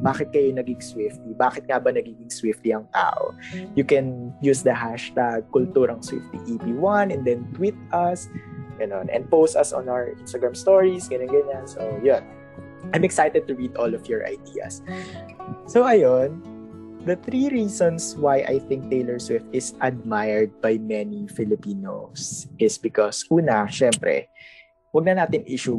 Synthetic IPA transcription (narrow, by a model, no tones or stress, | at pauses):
baːkɪt̪̚kɐjonɐɡɪŋswɪft̪ibaːkɪt̪̚ŋabɐnɐɡiːɡɪŋswɪft̪liɐŋt̪a̰ːʔo̰jʊkɛnjuːsd̪ɐɦaʃt̪aɡ̚kʊlt̪uːɾɐŋswɪ̰ft̪iʔipiwɐnɛ̃nd̪ɛnt̪wɪt̪̚ɐsɡ̥ɐnonʔɛ̰nd̪̚powst̪ɐsɔ̰̃nawəɹʔɪ̃nst̪ɐɡɹamst̪oɹisɡɐnonɡɐɲansojon | ʔãjmɛksajt̪ɛd̪̚t̪ʊɹid̪ɔlɔfjɔɹʔɐ̰jd̪iːɐ̰sː | oʔɐjon | d̪ɐθɾiɹiːsɔ̃nswajʔa̰jθɪ̃ŋk̚t̪ejlɛɹswɪft̪ɪsʔɐd̪̚majɛɹd̪̚bajmɛnifɪlɪpiːno̰sʔɪsbɪkɔsʔuːnɐʃɛmpɾɛ̰ | wɐɡ̚nɐnaːt̪ɪŋʔiʃu